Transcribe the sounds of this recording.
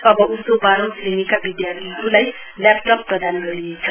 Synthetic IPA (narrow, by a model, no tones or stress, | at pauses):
ʌbʌusobaɾõwslenikabid̪jart̪ʰiɾulaj | lap̚ʈʌpːrʌd̪anɡʌɾinet͡sʰʌ